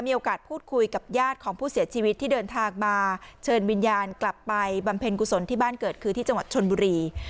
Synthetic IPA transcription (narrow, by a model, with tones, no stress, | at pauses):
miː˧ʔoː˧kaː˨˩t̪̚pʰuː˥˩t̪̚kʰu˧jka˨˩p̚jaː˥˩t̪̚kʰɔː˩˦ŋpʰuː˥˩si˨˩˦ɐt͡ɕʰiː˧wi˦˥t̪ʰːiː˥˩dɤː˧nt̪ʰaː˧ŋmaː˧t͡ɕʰɤː˧nwi˧njaː˧nkla˨˩pːa˧jba˧mpʰe˧nku˨˧˩so˩˦nt̪ʰiː˥baː˥˩nkɤː˨˩t̪̚kʰɯː˧t̪ʰiː˥˩t͡ɕa˧ŋwa˨˩t̪̚t͡ɕʰo˧nbuː˧ɾiː˧